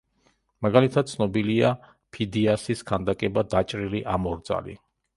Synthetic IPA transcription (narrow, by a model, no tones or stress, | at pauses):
maɡalit̪ʰat̪̚t̪sʰnɔbilia | pʰid̪iasiskʰand̪akʼɛbad̪at͡ʃʼɾiliʔamɔɾd̪za̰lḭ